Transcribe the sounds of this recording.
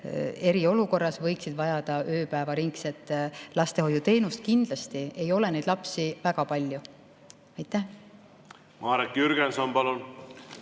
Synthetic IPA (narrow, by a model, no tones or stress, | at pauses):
e̞ɾio̞luko̞rːɑsvɤ̞jksid̪vɑjɑd̪̥ɑʔøːpæevɑɾiŋkse̞t̪ːˑlɑst̪e̞ho̞jut̪e̞ːnust̪̚kind̪̥lɑst̪ie̞jo̞le̞ne̞jd̪lɑpsivæɡ̥ɑpɑlʲju | ɑjt̪ˑːæh | mɑːɾet̪jyɾɡ̥ensonpɑlun